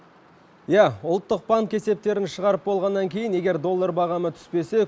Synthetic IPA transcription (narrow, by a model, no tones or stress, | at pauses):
jæʊlˠt̪ːəq̚baŋke̞se̞p̚t̪e̞ɾɪnʃəʁɑɾəp̚bo̞lˠʁɑnːɑŋkʲʰe̞jɪne̞ɡʲe̞ɾd̪o̞lˠːaɾbɑʁɑmət̪ʰʏ̥spe̞se̞